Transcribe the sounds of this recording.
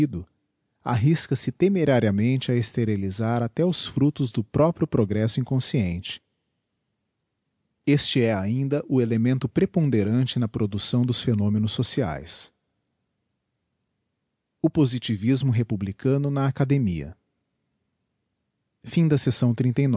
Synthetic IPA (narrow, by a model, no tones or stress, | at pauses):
id̪ʊ | a̰ɦiskɐsɪt̪emeɾaɾiɐmẽnt͡ʃɪɐest̪eɾilizaɾat̪ɛʊsfɾut̪ʊzd̪ʊpɾɔpɾjʊpɾoɡɾɛsʊĩkõsiẽnt͡ʃɪ̥ | est͡ʃɪɛaĩnd̪ɐʔʊelemẽnt̪ʊpɾepõnd̪eɾɐ̃nt͡ʃɪnɐpɾod̪usɐ̃w̃d̪ʊsfenõmẽnʊsːosia̰js | ʊpozit͡ʃivizmʊɦepublikɐ̃nʊnɐakad̪emiɐ̰ | fĩd̪ɐsesɐ̃w̃t̪ɾĩnt̪ejn